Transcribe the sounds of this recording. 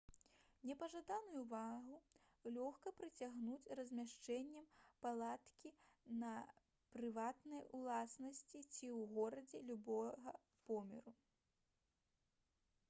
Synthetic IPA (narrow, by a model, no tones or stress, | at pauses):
nʲɛpɐʐad̪anujuvaɣu | lʲɔxkɐpɾɨt͡sʲaɣnut͡sʲrɐzʲmʲaʂt͡ʂɛnʲːɐmpalˠat̪kʲinɐ | pɾɨvat̪nɐjulˠasnɐsʲt͡sʲit͡sʲiwɣɔɾɐd͡zʲɛlʲubɔɣɐ | pɔmʲɛ̰ɾu